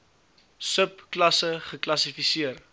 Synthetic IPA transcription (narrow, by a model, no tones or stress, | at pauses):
səpklɐsəχəklɐsifisiər